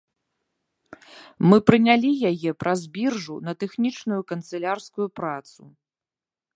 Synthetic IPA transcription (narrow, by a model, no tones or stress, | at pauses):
mɨpɾɨnʲalʲijajɛpɾʔɐzʲbʲirʐunɐt̪ɛxnʲit͡ʂnujukɐnt̪sɛlʲarskujupɾat̪su